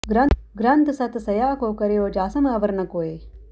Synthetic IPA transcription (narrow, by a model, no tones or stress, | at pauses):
ɡɾɐɡɾɐnt̪sɐt̪sɐjaːkoːkɐɾejoːd͡ʒaːsɐmaːʋɐɾɐɳɐkoːeː